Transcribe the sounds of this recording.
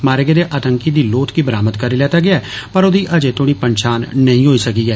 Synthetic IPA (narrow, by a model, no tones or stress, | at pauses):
maːɾeɡeːd̪eːʔət̪əŋkiːd̪iːloːt̪kiːbəɾaːmət̪kəɾiːlɛːt̪aːɡɪaɛːpəɾod̪iːʔəd͡ʒeːt̪oːɽ̃iːpəɲʃaːnːəĩːɦoːiːsəkiːɡɛː